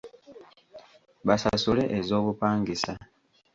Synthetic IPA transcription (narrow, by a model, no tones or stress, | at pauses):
βasasule̞ʔezo̞ːβupaːŋɡisa